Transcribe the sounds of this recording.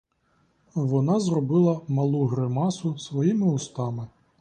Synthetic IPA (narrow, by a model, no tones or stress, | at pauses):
ʋɔnɑzrɔbɪlˠɐmɐlˠuɦɾɪmɑsʊsʋɔjimɪʊst̪ɑmɪ